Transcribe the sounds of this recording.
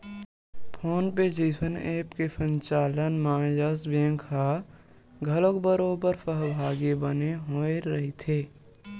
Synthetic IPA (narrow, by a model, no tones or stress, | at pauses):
pʰoːnped͡ʒiːəneːpkesə̃ɲt͡ʃaːlənmãːjəsbẽːŋkɦa | ɡʱɐləkbəɾoːbəɾsəɦbʱaːɡibəneɦoːeɾɐɦet̪ʰeː